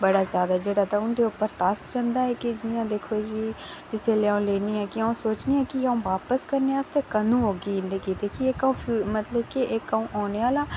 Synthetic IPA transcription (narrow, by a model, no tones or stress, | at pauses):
bəɽaːzjaːd̪ad͡ʒeːɽaːt̪aʊnd̪eːʊpːəɾt̪asd͡ʒə̃nd̪aːɛːkɪd͡ʒɪnɪjãːd̪eːkʰoːd͡ʒiːd͡ʒɪseːleãũːleːniːɛːkɪaːũsoːt͡ʃniːɛːkɪãːũːʋaːpəskəɾneːaːst̪eːkənũːɦoːɡiɪnd̪eːkiːt̪eːkieːkaũːpʰmət̪ləbkiʔekaũːʔaːneːaːlaː